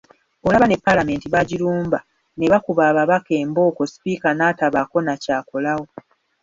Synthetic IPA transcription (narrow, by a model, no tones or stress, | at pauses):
o̞laβane̞pːalame̞ːntiβaɟiɾuːmba | ne̞βakuβaːβaβake̞ːmbo̞ːko̞si̥piːkanaːtaβako̞nacaːko̞lawo̞